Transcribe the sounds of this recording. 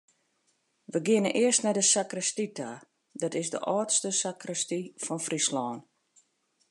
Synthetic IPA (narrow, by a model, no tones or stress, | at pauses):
ʋəɡɪənənʔɪərstnɛdəsakrəstitʰa | dɔtɪsdə̰ʔɔːtstəsakrəstifɔnfrislɔːn